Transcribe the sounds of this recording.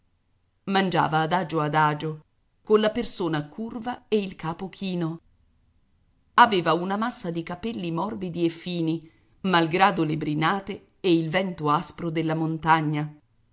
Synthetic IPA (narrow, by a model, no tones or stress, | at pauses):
mand͡ʒa̰ːvaːd̪aːd͡ʒoad̪aːd͡ʒo | konlapersoːnakʰurvaeilkaːpokʰiːno | aveːvaunamasːad̪ikapɛlːimɔrbid̪iefːiːni | malɡɾaːd̪olebɾinaːt̪e | ɛilvɛnt̪oaspɾod̪elːamont̪aɲːa